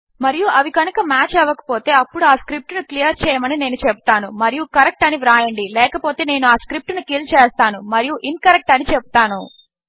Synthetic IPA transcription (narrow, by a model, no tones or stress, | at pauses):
mɐɾijuʔɐʋikɐnukɐmaːt͡ʃɛːʋːɐkɐ̥po̞ːt̪e̞ːɐpːuɽuaːskɾip̚ʈunuklijɐɾt͡ʃɛːjɐmɐnine̞ːnut͡ʃebu̥t̪aːnumɐɾijukɐɾek̚ʈɐniʋɾaːjɐɳɖilɛːkɐpo̞ːt̪e̞ːne̞ːnuaːskɾip̚ʈnukiːlt͡ʃɛːst̪aːnumɐɾijuʔinkɐɾek̚ʈɐnit͡ʃebu̥t̪aːnṵ